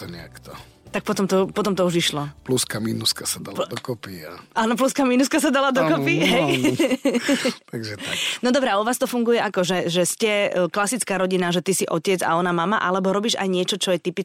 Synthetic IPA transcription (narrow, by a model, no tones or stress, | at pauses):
t̪ɔɲɛa̰kt̪ɔ | t̪ak̚pɔt̪ɔmt̪ɔpɔt̪ɔmt̪ɔuʒiʃlɔpluskaminuskasad̪ad̪ɔkɔpia̰naːnɔp̬luskamiːnuskasad̪alad̪ɔkɔpiɦɛj | t̪aɡʒɛanɔd̪ɔbɾɛauʋaːst̪ɔfuŋɡujɛʔakɔʒɛʒɛscɛklasit͡skaːɾɔɟinaʒɛt̪isiʔɔcɛd͡za̰ɔnamamaʔalɛbɔɾɔbiːʒa̰jɲɪɛt͡ʃɔt͡ʃɔjɛt̪ipi